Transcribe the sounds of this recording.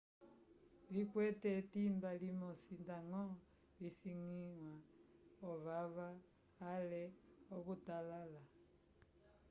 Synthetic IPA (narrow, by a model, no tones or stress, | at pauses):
likwɛtɛtimbalimɔsindaŋɔ | lisiŋiŋwaɔβaβaː | lɛɔkutalala